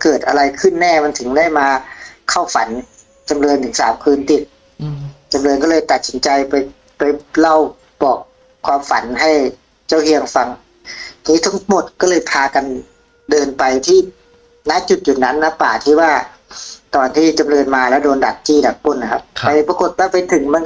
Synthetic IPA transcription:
kɤː˨˩t̪̚ʔa˧ɾa˧jkʰɯ˥˩nːɛː˥˩ma˧˥nt̪ʰɯ˩˦ŋda˥˩jmaː˧kʰa˥˩wfa̰˩˦n | t͡ɕa˧mlɤː˧nt̪ʰɯ˩˦ŋsaː˩˦mkʰɯː˧nt̪i˨˩t̪̚ | t͡ɕa˧mlɤː˧nkɔ˥lɤː˧jt̪a˨˩t̪̚si˩˦nt͡ɕa˧jpa˧j | pa˧jla˥˩w | bɔː˨˩k̚ʰː | waː˧mfa̰˨˩˦nɦa˥˩j | t͡ɕa˥˩whi˧əŋfa˧ŋʰ˧ | niː˦˥t̪ʰa˦˥ŋmo˨˩t̪̚kɔː˥˩lɤː˧jpʰaː˧ka˧n | dɤː˧npa˧jt̪ʰiː˥˩ | naː˦˥˨t͡ɕu˨˩t̪̚juː˨˩na˦˥nːa˦˧˥pa̰ː˨˩t̪ʰiː˧˩waː˧˥˩ | t̪ɔː˨˧nt̪ʰiː˥˩t͡ɕa˧mlɤː˧nmaː˧lɛ˦˥wdoː˧nda˨˩t̪̚t͡ɕiː˥˩da˨˩k̚po˧˥˩nːa˨˩kʰa˦˧˥p̚pa˧jpa˧ko˨˧˩t̪̚waː˥˩pa˧jt̪ʰɯ˨˩˦ŋma˧˥˨n

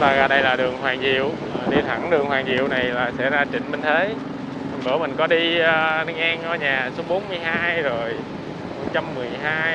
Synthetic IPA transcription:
t̪aː˧ɣaː˧˩ɗə˧jlaː˨˩ɗɨ˨˩əŋɦwaː˨˩ŋzḭ˨˧˨əw | ɗi˧t̪ʰa˧˩ŋɗɨ˨˩əŋhwaː˨˩ŋzḭ˧˨əwna˨˩jlaː˨˩sɛ̰˧˥zaː˧t͡ɕḭ̈˧˨ŋ̟mï˧nt̪ʰe˨˦ | a˨˩ɓəː˧˩mï˨˩ŋ̟kɔ˨˦ɗiː˧nɨ˧ŋʔa˧nʔəː˧˦ɲaː˨˩so˨˦ɓo˨˦nmɨ˧əjɦaː˧jzo˨˩j | mo˨˩t̚t͡ɕa˧mːɨ˨˩əjɦaː˧j

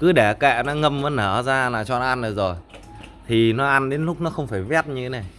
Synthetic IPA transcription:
kɨ˨˦ɗɛ˧˩kɛ̰˧˨nɔ˨˦ŋə˧mvəː˨˦nəː˧˩zaː˧laː˨˩t͡ɕɔ̰˧n˧ʔa˧nʔə˨˩jzo˨˩j | t̪ʰi˨˩nɔ˨˦ʔa˧nɗe˨˦nlʊ˦˥k͡p̚nɔ˨˦xə˧wŋ͡mfaː˧˩jvɛ˦˥t̚ɲɨ˧t̪ʰe˨˦na˨˩j

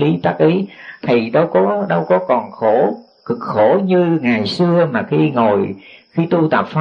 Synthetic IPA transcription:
li˨˦t̪aː˦˥k̚ʔi˨˦t̪ʰi˨˩ɗə˨˧wkɔ˨˦ɗə˧wkɔ˨˦kɔ˨˩nxo˧˩˦ | kɨ˨˩k̚xo˧˩ɲɨ˧ŋa˨˩jsɨ˧əmaː˨˩xi˧ŋo˨˩jxi˧t̪u˧t̪ə˨˩p̚f

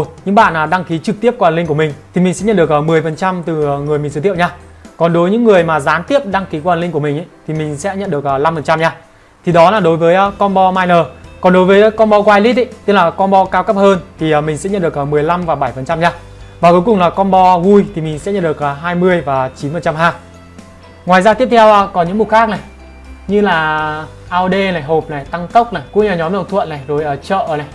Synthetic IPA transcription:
t̚ɲɨ̰˧˥ŋɓa̰ː˧˨nʔaː˨˩ɗa˧ŋki˨˦t͡ɕɨ˨˩k̚t̪i˦˥əp̚kwa˨˩nlï˧ŋ̟ku˧˩əmï˨˩ŋ̟t̪ʰi˨˩mi˨˩ŋ̟sɛ̰˧˥ɲə˧˨nɗɨ˨˩ək̚əː˧˩mɨ˨˩əjfə˨˩nt͡ɕa˧mt̪ɨ˨˩˨ŋɨ˨˩əjmi˨˩sːt̪ʰi˧˨wɲaː˧kɔ˨˩nɗo˨˦jɲɨ̰˧˥ŋːɨ˨˩əjmaː˨˩zaː˨˦nt̪i˦˥əp̚ɗa˧ŋki˨˦ku˧˨aː˨˩nli˧ŋku˧˩mï˨˩ŋ̟ʔə˨˦t̪ʰi˨˩mï˨˩ŋ̟sɛ̰˧˥ɲə̰˧˨nɗɨ˨˩ək̚ə˨˩la˧mfə˨˩nt͡ɕa˧mɲaː˧ | t̪ʰi˨˩ɗɔ˨˦laː˨˩ɗo˨˦jvəː˨˦jkɔ˧nɓɔ˧maː˧jnəː˨˩kɔ˨˩nɗo˨˦jvəː˨˦jkɔ˧nɓɔ˧kwaː˧jli˦˥t̚ʔi˧˨t̪i˦˥k̚laː˨˩kɔ˧nɓɔ˧kaː˧wkə˦˥p̚həː˧nt̪ʰi˨˩ə˨˩mï˨˩ŋsɛ̰˧˥ɲə˧˨ɗə˩kʔəː˨˩mɨ˨˩əjla˧mvaː˨˩wɓa˧˩jfə˨˩nt͡ɕa˧mɲaː˧ | vaː˨˩ku˨˦jkʊ˨˩ŋ͡mlaː˨˩kɔ˧nɓɔ˧vu˧jt̪ʰi˨˩mï˨˩ŋ̟sɛ̰˧˥ɲə̰˧˨ɗɨ˨˩ək̚ʔə˨˩ɦaː˧jmɨ˧əjvaː˨˩t͡ɕi˨˦nfə˨nt͡ɕa˧mɦaː˧j | ŋwaː˨˩jzaː˧t̪i˦˥əp̚tʰwʔə˧kɔ˨˦ɲɨ̰˧˥ŋmu˨˩xaː˦˥k̚na˨˩j | ɲɨ˧laː˨˩ | ʔaː˧wɗe˧na˨˩jɦo˨˩p̚na˨˩jt̪a˧ŋt̪ə˦˥wk͡p̚na˨˩jkṵ˧˥ŋɲɨ˧˨˩ɲɔ˨˦mlə˨˩ŋ͡mt̪ʰwə̰˧˨na˨˩jzo˨˩jʔəː˧˩t͡ɕə̰ː˧˨na˨˩j

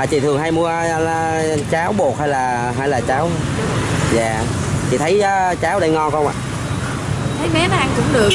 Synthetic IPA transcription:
aː˨˩t͡ɕḭ˧˨t̪ʰɨ˨˩əŋɦaː˧jmu˧ə˧ | t͡ɕaː˨˦wɓo˨˩t̚haː˧jlaː˨˩ | ɦaː˧jlaː˨˩t͡ɕaː˨˦w | zaː˨˩ | t͡ɕḭ˧˨˩t̪ʰə˨˦jːt͡ɕaː˨˦wɗə˧jŋɔ˧kwʔa̰ː˨ʔ | t̪ʰə˨˦jmɛ˨˦n˧ʔa˧ŋkʊ̰˧˥˦ŋ͡mɗɨ˨˩ə

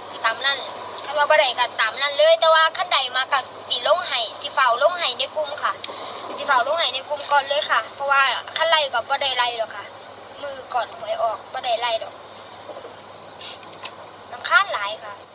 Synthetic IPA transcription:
t̪aː˨mna˧˥˨n | kʰa˧˩t̚waː˧bɔː˧˦ɾa˨˩jka˧˩t̪aː˨˩mna˧˥˨nlɤː˧˨jt̪ɛː˧waː˧kʰa˧˥˨nda˨˩jmaː˧˥ka˧˩ | si˧˦lo˧˥˨ŋha˨˩jsi˧˦fa˨˧˩wlo˧˥˨ŋɦa˨˩jna˧˩˨ku˧˨mkʰa˧˩si˧˦fa˧˩wlo˧˨ŋha˨˩jna˧˩jku˧˨mkɔː˧˨nlɤː˧˥˨jkʰa˧˩pʰɔ˧waː˧kʰa˧˥˨nda˧˩jka˧˩bɔː˧˦da˧˩jla˧˩jdɔː˨˩kʰa˧˩ | mɯː˧˩kɔː˨˩nu˨˦jʔɔː˧˩k̚bɔː˧˦da˨˩jla˧˩jdɔː˨˩k̚ | na˧mkʰaː˧˥˨nlaː˨˦jkʰa˧˩

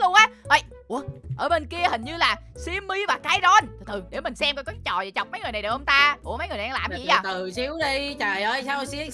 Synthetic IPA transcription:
lʊ˧əŋʔaː˨˦ʔə˧j | ʔu˧˩əʔəː˧˩ɓe˧nki˧əhï˨˩ŋ̟ɲɨ˧laː˨˩si˧əmːi˧vaː˨˩kaː˧˦jzɔ˧nt̪ʰːt̪ʰɨ˨˩ɗe˧˩mï˨˩ŋ̟sɛ˧mkɔ˧˩kɔ˨˦t͡ɕɔ˨˩je˨˩jt͡ɕa˨˩wk͡p̚mə˦jŋɨ˨˩jna˨˩jɗə˨˩ho˧ŋ͡mt̪aː˧ku˧˩əmə˨˦jŋɨ˨˩jn˨˧laː˨˩mḭ˧˨jaː˨˧˩t̪ɨ˨˩si˨˦əwɗi˧t͡ɕəː˨˩jʔəː˧jsaː˧wsi˧˦˥

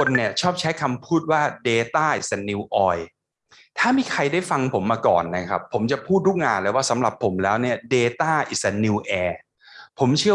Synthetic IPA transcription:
o˧nːi˥˩ɐt͡ɕʰɔː˥˩p̚t͡ɕʰa˦˥jkʰa˧mpʰuː˥˩t̪̚waː˥˩deː˧t̪aː˥˩ʔi˨˩sa˧˩niː˧wʔɔː˧j | t̪ʰaː˥˩miː˧kʰa˧jda˥˩jfa˧ŋpʰo˩˦mːaː˧kɔ̰ː˨˩nːa˦˥kʰa̰˦˥pʰːo˩˦mt͡ɕa˨˩pʰuː˥˩t̪̚duː˥˩ŋaː˧nlɤː˧˩waː˥˩sa˩˦mɾa˨˩pʰːo˩˦mlɛː˦˥wni˥˩ɐdeː˧t̪aː˥˩ʔi˨˩sa˧˩niː˧wʔɛː˧ | pʰo˩˦mt͡ɕʰɯ˥˩ə

